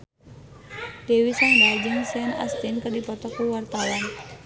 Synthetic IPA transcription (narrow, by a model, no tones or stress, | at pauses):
dewisaŋdald͡ʒɨŋsiana̰st̪inkərdipɔt̪ɔkuwart̪awan